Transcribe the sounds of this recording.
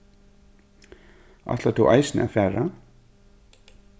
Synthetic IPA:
ʔa̰ht̪lat̪ʰuʔa̰jsnɪ̰a̰fɛːɾa

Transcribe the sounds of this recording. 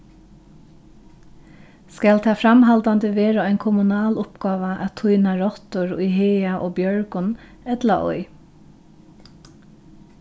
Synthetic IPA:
skalt̪ʰɑːfɾamɦalt̪and̪əʋeːɾaaɪnkʰʊmʊnɑːlʊpɡɑːʋaʔa̰t̪ʰʊjnaɹɔt̪ʊɹʊjɦeːaʔoːbjœɹkʊn | ɛt̪laʔɔ̰ʏ

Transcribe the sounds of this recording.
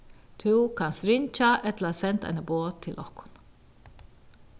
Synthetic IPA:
t̪ʰukʰanst̪ɾɪnt͡ʃaʔɛt̪laasɛnt̪a̰jnaboːt̪ʰːɪlʔɔhkʊ̥n

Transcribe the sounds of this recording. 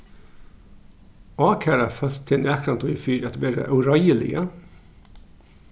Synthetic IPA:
ɑːkʰæːɾɑfœt̪t̪ʰːɪnæːkʰɾɑnt̪ʰʊʏfyːɾɑt̪ʋeːɾə̰ʔɑʉɾɑɪəlɪ̰ə

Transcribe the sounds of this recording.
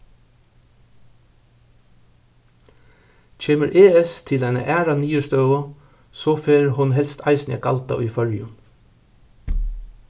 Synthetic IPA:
t͡ʃʰeːməɾʔeːɛst̪ʰɪlæɪnə̰ʔæːɾaniːəst̪œːɣʊ | sɔːfeːɹɦʊnɦɛlst̪ʰɑɪsnɛ̰kɑlt̪a̰ʔʏ̰jfœɹjʊn

